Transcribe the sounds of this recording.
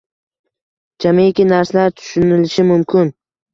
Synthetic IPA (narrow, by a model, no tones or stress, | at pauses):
d͡ʒamekʲinaɾslaɾt̪ʰʊ̥ʃʊnɪlɪʃɪmʊmkʲʰɪn